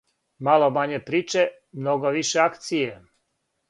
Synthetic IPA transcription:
malomaɲepɾiːt͡ʃe | mnoɡoʋiʃeakt̪sije

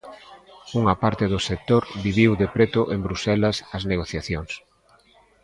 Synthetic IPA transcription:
uŋɐpaɾt̪ɪðʊsek̚t̪oɾβiβ̞iwðepɾet̪ʊʔembɾusɛlɐsɐzneɣ̞oθjaθjoŋs

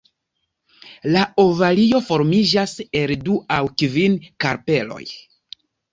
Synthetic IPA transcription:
laovalio̞fo̞ɾmid͡ʒase̞lduawkvinkaɾpe̞lo̞̰j

